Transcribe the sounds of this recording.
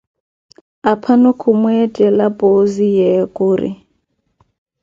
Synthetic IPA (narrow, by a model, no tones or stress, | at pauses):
apʰanʊkʰʊmwɛtʼɛlapʼozijɛkʼʊːrɪ̰